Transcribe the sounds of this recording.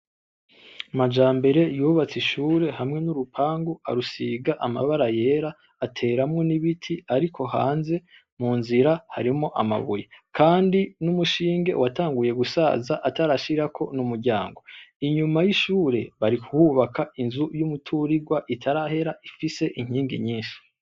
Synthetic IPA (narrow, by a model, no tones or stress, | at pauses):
mad͡ʒaːmbe̞ɾe̞juːβat͡siʃuːɾe̞hamŋe̞nuɾupʰaːŋɡua̰ɾusiɡaʔama̰βaɾaje̞ːɾaː | tʰe̞ːɾamŋo̞niβitʰiaɾikʰo̞ɦa̰ːnze̞ | muːnziɾahaɾimo̞ʔama̰βujekʰaːndinumuʃiːŋɡe̞̰wataːŋɡuje̞ɡusa̰ːzaʔataɾaʃiɾakʰo̞̰numuɾɟaːŋɡo̞iɲumajiʃuːɾe̞βaɾikuwuβakʰainzujumutʰuɾiɡwaʔitʰaɾahe̞ɾaʔifise̞ʔiŋ̥hiːŋɡḭɲiːnʃi̥